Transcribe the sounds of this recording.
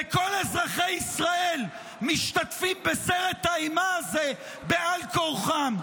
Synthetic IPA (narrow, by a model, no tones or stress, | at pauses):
eko̞lezʁaχe̞jisʁae̞l | miʃt̪at̪fimbeseʁe̞t̪haimaaze̞ | bealkoʁχan